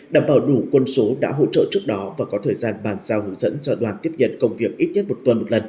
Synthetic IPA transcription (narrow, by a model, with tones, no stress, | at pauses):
ɗaː˨˩mɓaː˧˩wɗu˧˩kwə˧nso˨˦ɗa̰ː˧˥ɦo̰˧˥t͡ɕə̰ː˧˨t͡ɕɨ˦˥ək̚ɗɔ˨˦vaː˨˩kɔ˨˦t̪ʰəː˨˩jzaː˧nɓaː˨˩nz̥aː˧whṵ˧˥zə̰˧˥nt͡ɕɔ˧ɗwaː˨˩nt̪i˦˥əp̚ɲə̰˧˨nkə˧wŋ͡mvi˨˩ək̚ʔi˦˥t̚ɲə˦˥t̚mo˨˩t̪wə˧nmo˨˩t̚lə˨˩n